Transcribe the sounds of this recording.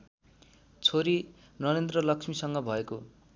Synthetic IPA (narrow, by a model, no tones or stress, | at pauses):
t͡sʰoɾi | nʌɾend̪rʌlʌksmisʌŋɡʌbʱʌeko